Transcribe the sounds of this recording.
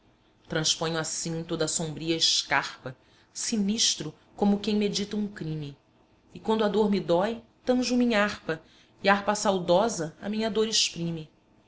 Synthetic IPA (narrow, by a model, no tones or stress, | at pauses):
t̪ɾɐ̃spõɲʊasĩt̪od̪ɐsõmbɾiɐɪʃkaχpɐ | siniʃt̪ɾʊ | kõmʊkẽj̃med͡ʒit̪ɐũŋkɾĩmiː | kwɐ̃nd̪ʊad̪oɾmid̪ɔjt̪ɐ̃ʒʊmĩɲɐahpɐ | iahpɐsawd̪ɔzɐɐ̰mĩɲɐd̪oɾeʃpɾĩmi